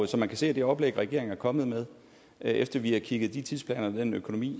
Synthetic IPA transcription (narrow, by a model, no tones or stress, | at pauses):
sɒ̽mænkʰæse̝̰ːæd̥e̝ɒ̽b̥leɡ̥ʁɛɡ̥e̝ɐ̰eŋ̩æɐkʰɒ̽məð̩ˠmeðˠ | ʔefd̥ɐʋihækʰiɡ̥ð̩ˠd̥it͡sʰið̞ˠspʰlɛ̰ːnɐʋed̥enøkʰo̝nomḭː